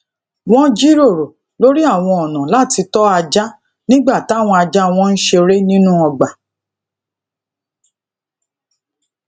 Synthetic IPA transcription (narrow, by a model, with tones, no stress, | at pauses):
w̃ɔ̃˦d͡ʒi˦ɾo˦˨ɾo˨ | lo˦ɾi˦a˦˨w̃ɔ̃˧ɔ˨nã˨la˦˨ti˧tɔ˦a˧d͡ʒa˦ | nĩ˦ɡ͡ba˦˨ta˨˦˨w̃ɔ̃˧a˧d͡ʒa˦w̃ɔ̃˦˧n̩˦ʃe˧ɾe˦nĩ˦nũ˦ɔ˧ɡ͡ba˨